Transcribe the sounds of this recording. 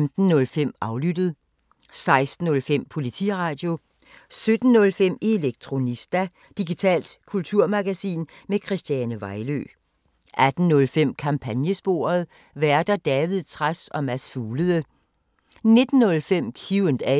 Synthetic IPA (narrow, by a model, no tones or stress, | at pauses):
md̥n̩ːɔ̽lfem̰ɑ̈ʊlyd̥əð̩ˠ | sɑ̈ɪsd̥n̩ɔ̽lfem̰pʰo̝lit͡sʰḭʁɑ̈ːd̥jo̝ | sød̥n̩ːɔ̽lfem̰e̝leɡ̥̚t͡sʰʁo̝nisd̥æ | d̥iɡ̥it͡sʰɛ̰ːld̥kʰult͡sʰuɐmæɡ̥æsḭːnmekʰʁisd̥jænəʋɑ̈ɪlø̰ː | ʔæd̥n̩nɔ̽lfem̰kʰɑ̈mpʰænjəsb̥o̝̰ɐð̞̩ˠ | ʋæɐd̥ɐd̥ɛːʋið̞ˠt͡sʰʁasɒ̽mæsfuːləðˠə | ne̝d̥n̩ːɔ̽lfem̰kʰiʊənd̥ɛ